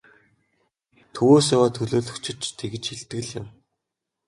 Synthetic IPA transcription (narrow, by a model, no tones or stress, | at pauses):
t̪ʰɵwoːs̬awaːt̪ʰɵɮoːɮɵ̆kt͡ɕɪ̆t͡ɕt̪ʰeɣɘ̆t͡ɕxiɮt̪ɣɘ̆ɮjɪ̰̆m